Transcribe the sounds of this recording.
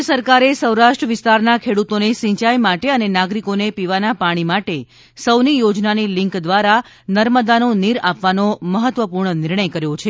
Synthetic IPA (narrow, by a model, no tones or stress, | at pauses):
əsəɾkaɾesəwɾaʃʈɾəʋɪst̪aɾnakʰeɽut̪onesĩt͡ʃajmaʈeənenaɡɾikonepiʋanapaɽ̃imaʈe | səwnijod͡ʒnanilɪŋkd̪ʋaɾa | nəɾməd̪anoniɾapʋanoməɦət̪ʋəpuɾɳənɪɾɳəjkəɾjot͡ʃʰe